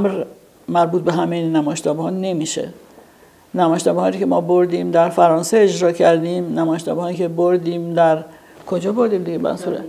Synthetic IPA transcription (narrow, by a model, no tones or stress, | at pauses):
ʔmɾ | mæɾbuːt̪̚be̞ɦæmejenæmɒːeʃt̪ʰɒːbehɒːne̞miːʃḛ | næmɒːjʃt̪ɒːbeɒːɾicʰe̞mɒːbo̞ɾd̪iːmd̪æɾfæɾɒːnseːd͡ʒɾɒːcʰæɾd̪iːmnæmɒːjeʃt̪ʰɒ̰ːbeɒːicʰe̞boɾd̪iːmd̪æɾ | kʰo̞d͡ʒɒːboɾd̪iːmd̪iɡemæ̰nsuɾḛ